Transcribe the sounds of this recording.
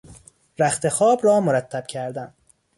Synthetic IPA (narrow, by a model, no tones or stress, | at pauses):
ɾæxt̪ʰe̞xɒːbrɒːmoɾæt̪ʰːæb̥cʰæɾd̪æn